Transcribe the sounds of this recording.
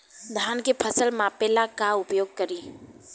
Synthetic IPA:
d̪ʱaːnkepʰəsəlmãpelakaʊpjoːɡ̚kəɾiː

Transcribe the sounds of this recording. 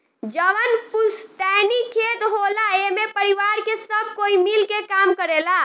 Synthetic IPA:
d͡ʒəʋənpusʈɛnikʰet̪ɦolaemepəɾiʋaɾkesəb̚ʱkoimilkekamkəɾela

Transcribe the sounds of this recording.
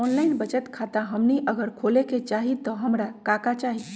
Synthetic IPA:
ɔnlaɪnbət͡ʃət̪kʰat̪aɦəmniʔəɡəɾkʰoleket͡ʃaɦit̪ɔɦəmɾakakat͡ʃaɦi

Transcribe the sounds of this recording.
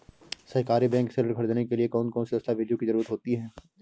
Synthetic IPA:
sɐɦkaːɾibɛ̃ːŋksɛləɾɡʰʱɐɾd̪aːnekeliekɔːnkɔːnsid̪ɐst̪aʋɪɖjõkizɐɾuːɾət̪ɦoːt̪iɦɛː

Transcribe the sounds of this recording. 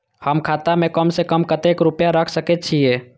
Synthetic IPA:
həmkʰaːt̪amẽkəmsekəmkət̪ekɾʊpjaɾəkʰsəket͡ʃʰieː

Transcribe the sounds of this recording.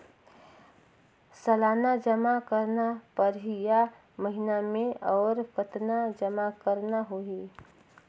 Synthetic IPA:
səlaːnad͡ʒəmakəɾnapəɾɦija | məɦɪnamẽɔːɾpət̪nad͡ʒəmakəɾnaɦoiː

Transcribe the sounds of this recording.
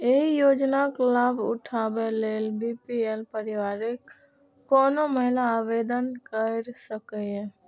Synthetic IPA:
eɦijoːd͡ʒnaklabʊ̰ʈʰabeleːlbipielpəɾɪʋaːɾekː | ɔːnoməɦɪlaːbed̪ənkəɾsəkɛɦɛ̃

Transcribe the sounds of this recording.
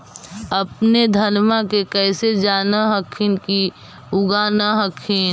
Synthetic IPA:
əpned̪ʱɐnmakekɛːsed͡ʒaːnaɦəkʰɪnki | ʊɡaːnaɦəkʰin

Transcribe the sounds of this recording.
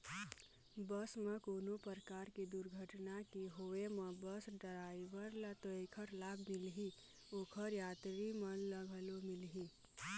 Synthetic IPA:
bəsmẽkoːnopəɾkaːɾkid̪uɾɡʱəʈnakiɦoemə̃bəsɖəɾaːiʋəɾlat̪oeːkʰəɾlaːbʱmɪlɦi | oːkʰəɾjaːt̪ɾimə̃nləɡʱəlomɪlɦiː

